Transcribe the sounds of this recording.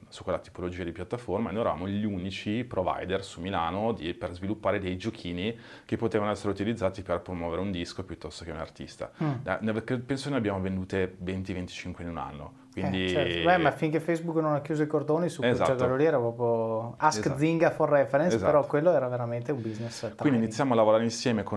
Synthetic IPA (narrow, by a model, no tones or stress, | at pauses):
su̥kːwelːat̪i̥polod͡ʒiːad̪ipjat̪ːaformaenojɛɾava̰moʎunit͡ʃipɾova̰jd̪ersumilaːnod̪iperzvilupːaːɾed̪ejd͡ʒokʰiːni | kepːot̪eːvanoɛsːeɾeut̪ilid̪zːaːt̪iperpɾomwɔːveɾeund̪iskopjut̪ːɔst̪okeuna̰rt̪ist̪a̰a̰navkɾepɛnsokenabːjaːmovend̪uːt̪event̪ivent̪i̥t͡ʃiŋkwenuna̰nːo̰ | kwind̪iɛbɛmafːiŋkefɛjzbuknonakjuːzoikord̪oːnisuzaak̪ːololiɛɾapɾɔːpɾjoaskd̪ziŋɡaforːɛfeɾɛnszapeɾɔkːwelːoɛːɾaveɾament̪eumbiznestk̪ːiniinit̪sːjaːmoalːavoɾaːɾeinsjɛːmeko